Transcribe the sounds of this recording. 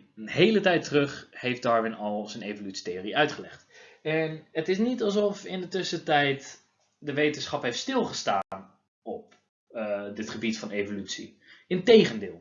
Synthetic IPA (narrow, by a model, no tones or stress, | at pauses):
ənɦejlətɛjtərøχhejf̚d̥ɑɹʋɪnɑlˠzənejvolytsi̥tejoriʔœɥtχəlɛχtɛnətɪsnitɑlˠsɔfɪ̰ndətɵsətɛjt | dəʋejtənsχɑpɦejftstɪlˠχəsta̰ːn | ɔp̚ | dɪtχəbitfɑnevolytsḭ | ɪntejχəndɪːlˠ